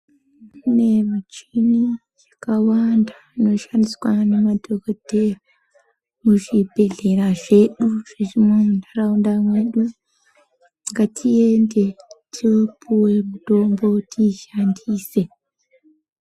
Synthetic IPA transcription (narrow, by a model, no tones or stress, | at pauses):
nɛmat͡ʃini | kawanda | nɔʃaniskanimadɔɡɔdɛ | muʃibɛɮɛɾaʃeɗuʃeʒimomndaɾaundaŋeɗu | ŋɡatʰijendɛtʰipʰuwɛdɔmbotʰiʃandʰisɛ